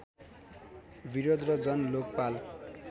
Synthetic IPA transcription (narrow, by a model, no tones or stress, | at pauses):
biɾod̪rʌd͡zʌnlok̚pal